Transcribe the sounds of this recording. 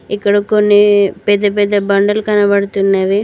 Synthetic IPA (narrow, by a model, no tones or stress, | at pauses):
ikːɐɽɐkonːepɛd̪ːɐpɛd̪ɐbɐɳɖɐlkɐnɐbɐɽut̪ːunːɐʋe